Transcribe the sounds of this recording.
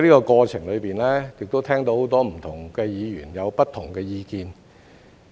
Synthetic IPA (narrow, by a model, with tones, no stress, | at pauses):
jliː˥kɔː˧kɔː˧t͡ɕʰɪ˨˩ŋlɵ˨˧piː˨nlɛː˥jɪ˨k̚t̪o˥wt̪ʰɛː˥ŋt̪o˧who˨˥wt̪ɔː˥m̩˨˩t̪ʰʊ˨˩ŋkɛː˧jiː˨˧jy̰ː˨˩njɐ˨˧wpɐ˥t̪̚ʰːʊ˨˩ŋkɛː˧jiː˧kiː˧n